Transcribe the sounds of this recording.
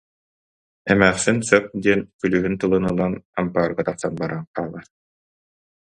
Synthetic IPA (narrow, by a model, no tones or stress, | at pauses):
ɛmæːχsinsœp̚d̪iɛnkylyːɦynt̪ɯlˠɯnɯlˠanampaːɾɡat̪aqsanbaɾanqaːlˠaɾ